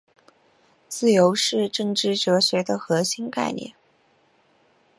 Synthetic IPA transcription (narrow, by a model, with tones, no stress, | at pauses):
t͡sɹ̩˥˩jo˧˥ʊʂɻ̩˥˧ʈ͡ʂɤ˥˩ŋʈ͡ʂɻ̩˥˩ʈ͡ʂɤ˧˥ɕɥɛ˧˥d̪ə˧xɤ˧˥ɕi˥nka̰˥˧ɪnjɛ̰˥˩n